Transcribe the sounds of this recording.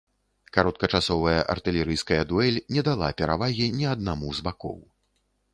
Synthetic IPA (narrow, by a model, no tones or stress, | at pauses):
kaɾɔt̪̚kɐt͡ʂasɔvɐjɐʔa̰rt̪ɨlʲɛɾɨjskɐjɐd̪uɛlʲnʲɛd̪alˠa̰pʲɛɾavaɣʲinʲɛad̪̚namuzbakɔ̰w